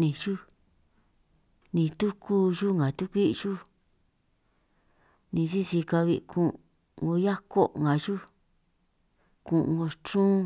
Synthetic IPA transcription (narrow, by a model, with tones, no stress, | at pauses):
nĩ˧ʒu˦ | nĩ˧t̪u˦ku˦ʒu˦ŋã˨t̪u˦kʷi˦˧ʒu˦ | nĩ˧si˦si˧ka˧βi˧kʰũ˧ | ŋɡo˧ja˦ko˦ŋɡa˨ʒu˦ | kũ˧˨ʔŋɡo˧t͡ʃũː˦